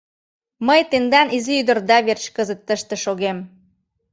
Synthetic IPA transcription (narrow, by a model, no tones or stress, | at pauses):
məjt̪end̪ɑniziyd̪ə̆rd̪ɑβert͡ɕkəzət̪ːəʃt̪ĕʃoɣem